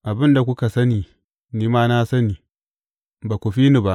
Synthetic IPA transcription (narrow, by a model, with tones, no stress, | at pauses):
ʔa˨bɪ˦nda˨kʷʊ˦ka˨sɐ˦niː˨ | niː˦maː˦na˦sɐ˦niː˨ | baː˨kʷu˨ɸiː˦ni˨ba˦ʔ